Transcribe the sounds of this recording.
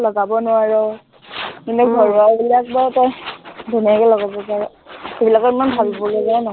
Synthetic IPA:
lɔɡabɔnʊwaɹɔ | kintuɡʱɔɹauliak̚baɹtɔjdenijakɛlɔɡabɔpaɹɔ | ebilakɔɹimanbʱalbɔlozaanɔ

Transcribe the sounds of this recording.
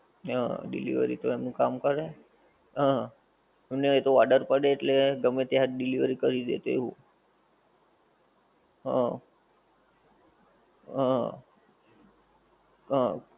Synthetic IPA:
ɦã̰ɖḭlḭʋə̰ɾḭt̪oemnũkamkəɾe | ɦã | emneet̪oʋaɖəɾpəɽeːʈleɡəmet̪jaɦt̪ɖiliʋɾikəɾid̪ḛt̪ḛɦṵ̃ | ɦã̰ | ɦa | ɦa

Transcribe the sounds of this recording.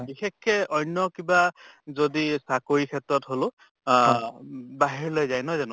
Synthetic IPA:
bixɛkːɛɔjnːɔkibazodisakoɹikʰɛtɹɔtɦolʊ̃ | baɦiɹlojzajnɔzanʊ

